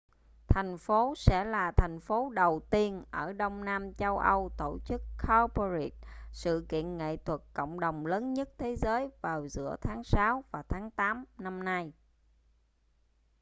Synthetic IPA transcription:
t̪ʰa˨˩jŋ̟fo˨˦sɛ̰˧˥laː˨˩t̪ʰɛ˨˩jŋ̟fo˨˦ɗə˨˩wt̪i˧ənʔəː˧˩ɗə˧wŋ͡mnaː˧mt͡ɕə˧wʔə˧wt̪o˧˩t͡ɕɨ˦˥kːa˧po˧ɹi˨˩t̚sɨ̰˧˨kḭ˧˨ənŋḛ˧˨t̪ʰwə˨˩t̚kə̰˧˨wŋ͡mɗə˨˩wŋ͡mləː˨˦nɲə˦˥t̚t̪ʰe˨˦zəː˨˦jvaː˨˩wzɨ̰˧˥ət̪ʰaː˨˦ŋsaː˨˦wvaː˨˩wt̪ʰaː˨˦ŋt̪aː˨˦mna˧mna˧j

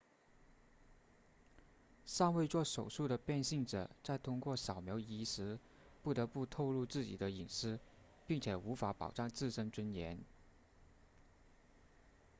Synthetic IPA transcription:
sɑ˥˧ŋwe˥˧ɪt͡swɔ˥˩ʂo˨˩ʊʂu˥˩d̪ə˩pjɛ˥˧nɕi˥˩ŋʈ͡ʂɤ̰˨˩t͡sa˥˩ɪt̪ʰʊ˥ŋkwɔ˥˩ɕjɑ˨˩ʊmjo˧˥ʊi˥ʂɻ̩˧˥ | pu˥˩t̪ɤ˧˥pu˥˧t̪ʰo˥˧ʊlu˥˧t͡sɹ̩˥˩t͡ɕḭ˨˩d̪ə˦i˨˩ŋʂɹ̩˥ | pi˥˩ŋt͡ɕʰjɛ˨˩u˧˥fa˧˥pɑ̰˨˩ʊʈ͡ʂɑ˥˧ŋt͡sɹ̩˥˩ʂə˥nʈ͡ʂwə˥njɛ˧˥n

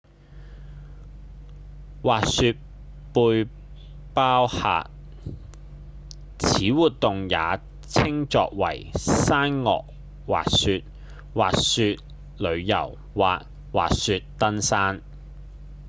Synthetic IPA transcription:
waː˨t̚sy˧t̚ | puː˧j | paː˥wha̰ː˨t̚ | t͡sʰiː˨˥wuː˨t̚t̪ʊ˨ŋjaː˨˧ | t͡sʰɪ˥ŋt͡sɔ̰ː˧k̚wɐ̰˨˩jsaː˥nŋɔ̰ː˨k̚ | wa̰ː˨k̚syː˧t̚ | waː˨k̚syː˧t̚ | lɵ˨˧ɥjɐ̰˨˩w | waː˨t̚ | wa̰ː˨t̚syː˧t̚t̪ɐ˥nsaː˥n

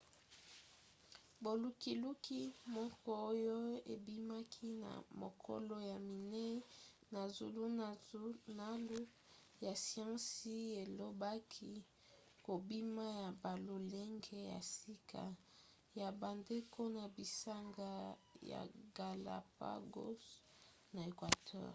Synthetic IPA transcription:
bo˨lu˨ki˨lu˦ki˦mɔ˦kɔ˦o˦jo˦ḛ˨bi˦ma˦kʰi˦na̰˨mo̰˨kʰɔ̰˦lo˦ja˨mi˨nɛ˦ | na˨zṵ˨lu˦ | na˨˦lu˦ | ja˨si˦ã˦si˦e˨lo˦ba˦kʰi˦ | ko˨bi˦ma˦ja˨ba˨lo˨le˦ŋɡe˦ja̰˨si˦kʰa̰˨ | ja˨ba˨nde˦kʰo˦na˨bi˨sa˦ŋɡa˦ja̰˨ɡa˨la̰˨pa̰˦ɡo̰˦s | na˨e˨kwa˨tʰɛ̰ː˦ʁ

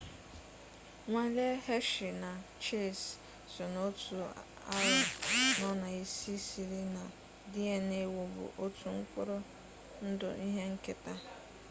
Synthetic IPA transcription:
ŋʷa˦le˦he˦ʃɪ˨na˨t͡ʃe˦˨s | sɔ˨no˦tʰu˨ | a̰˦jʊ˨nɔ˦na˨i˦si˦si˨ɾi˦na˨ | di˦e˨ne˨wo˨bʊ̰˨ʔo˦tʰu˦ŋ̩˦kʷʊ˦ɾo˦ | n̩˦dʊ̰˨ʔi˦ɦe˦ŋ̩˦kɪ˦ta˦

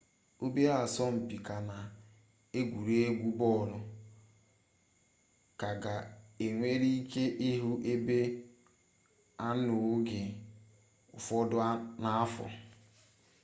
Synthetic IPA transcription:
o˦be˦a˦˨sɔ˦m̩˨pi˨ka˨na˨ | e˦ɡʷu˨ɾe˦ɡʷu˦bɔ˦˨ɾʊ˦ | ka˨ɡa˨e˨ŋʷe˦ɾi˦i˦ke˦ʔi˦ɦu˦ʔe˦be˦ | a˦nʊ˨˦ɡɪ˨ | ʊ̰˨fɔ˦dʊ˦na˦a˦fɔ̰˨

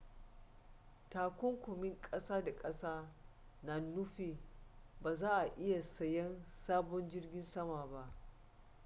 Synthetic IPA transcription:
taː˨kʷʊ˦ŋkʷʊ˨mɪ˦ŋkʼɐ˦saː˦da˨kʼɐ˦saː˦ | naː˨nːʊ˦ɸiː˨baː˨zaː˦ʔa˨ʔɪ˦ja˨sɐ˨jɛ˦nsaː˦bɔ˦nd͡ʒɪ˦rɡʲɪ˦nsɐ˦maː˨ba˦ʔ

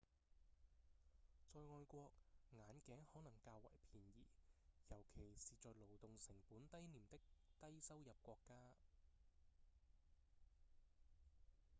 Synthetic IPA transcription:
t͡sɔː˧jŋɔː˧jkʷɔː˧k̚ŋaː˨˥nkɛː˨˥ŋhɔː˨˥nɐ˨˩ŋkaː˧wːɐ̰˨˩jpʰiː˨˩njiː˨˩jɐ˨˩wkʰe˨˩jsiː˨˩t͡sɔː˨˧jlo˨˩wt̪ʊ˨ŋsɪ˨˩ŋpuː˨˥nt̪ɐ˥jniː˨˩mt̪ɪ˥k̚t̪ɐ˥jsɐ˥wjɐ˨p̚kʷɔː˧kːaː˥

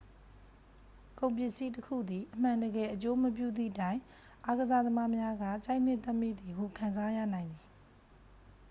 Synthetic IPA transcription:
kõ˨ʊ̃mpjɪ˦ʔsi˦təkʰṵ˦˨d̪i˨ʔəm̥ã˨ndəɡɛ˨ʔət͡ɕo˦məp̬jṵ˦˨d̪ðḭ˦˨tã˦˨ɪ̃ | ʔa˦ɡəza˦˨d̪əma˦mja˦ɡa̰˦˨t͡ɕa˦ɪ̃n̥ɪ̃˦˨t̪ɛ˦ʔmḭ˦˨d̪i˨ɦu˨kʰã˨nza˦jä̰˦˨nã˨ɪ̃nd̪i˨

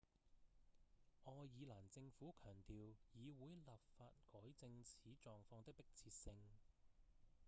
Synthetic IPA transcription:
ʔɔː˧jiː˨˧laː˨˩nt͡sɪ˧ŋfuː˨˥kʰœː˨˩ŋt̪iː˨wjiː˨˧wuː˨˧˥jlaː˨p̚faː˧t̚kɔː˨˥jt͡sɪ˧ŋt͡sʰiː˨˥t͡ʃɔː˨ŋfɔː˧ŋt̪ɪ˥k̚pɪ˥k̚t͡sʰiː˧t̚sɪ˧ŋ

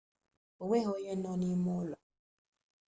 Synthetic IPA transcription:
o˨ŋʷe˦ɦo˦ɲe˦nɔ̃˦ni˦mo˦lɔ˨

